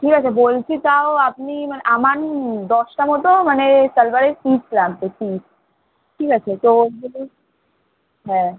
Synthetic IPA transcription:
ʈʰikat͡ɕʰebolt͡ɕʰit̪aoap̚nimaneʔamand̪ɔsʈamɔt̪omanesəlbaɾesislaɡt̪esis | ʈʰikat͡ɕʰet̪obolu | ɦɛ̃

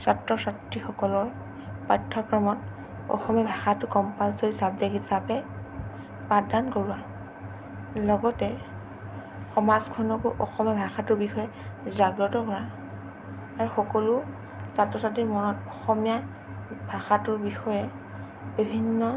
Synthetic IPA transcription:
satɹɔsatɹixɔkɔlɔɹ | pajtʰːɔkɹɔmɔt | ɔ̰xɔmijabʱaxatʊkɔmpalsoɹisab̚zakisapɛ | padankoɹua | lɔɡɔtɛ | xɔmazkʰɔnɔkʊʔɔxɔmijabʱaxatʊɹbixɔjɛ | zaɡɹɔtɔkɔɹa | aɹuxɔkɔlʊ | satɹɔsatɹimɔnɔtɔxɔmija | bʱaxatʊɹbixɔjɛ | bibʱinːɔ

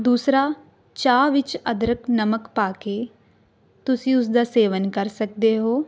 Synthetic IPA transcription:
d̪uːsɾa | t͡ʃaːʋɪt͡ʃɐd̪ɾəknɐməkpaːke | t̪ʊsiʊs̬d̪aseːʋənkɐɾsɐk̚d̪eɦoː

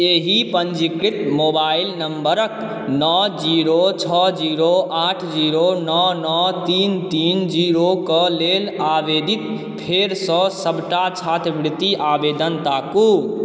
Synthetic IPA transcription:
eɦipənd͡ʒikɾiʈ̪mobailnəmbəɾək | nɔd͡ʒiɾot͡ʃʰɔd͡ʒiɾoaʈʰd͡ʒiɾonɔnɔt̪int̪ind͡ʒiɾokəlelabed̪it̪ | pʰeɾsə̃səbʈat͡ʃʰat̪ʰʋɾt̪iʔabed̪ənt̪aku

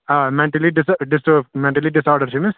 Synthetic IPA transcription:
amɛ̃ɳʈəliɖɪsɖɪsmɛ̃ɳʈəliɖɪsɔːɾɖəɾt͡ʃʰimɪs

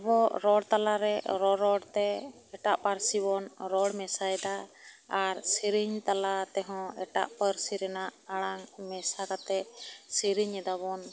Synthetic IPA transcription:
ɛbɔɾɔɽt̪alaɾɛɾɔɾɔɽt̪ɛː | ʈaʔpaɾsibɔnɾɔɽmɛsaɛd̪aaɾsiɾiɲt̪alat̪ɛɦɔ̃ɛʈa̰ʔpəɾsiɾɛnaʔaɽaŋmɛsakat̪ɛsiɾiɲɛd̪abɔn

